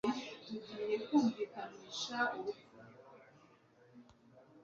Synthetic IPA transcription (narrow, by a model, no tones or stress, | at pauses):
uɡije̞kuːɱvikamiʃauku